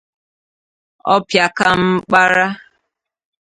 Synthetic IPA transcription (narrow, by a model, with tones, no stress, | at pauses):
ɔ̰˦pja˨ka˦m̩˦k͡pa˦ɾa˦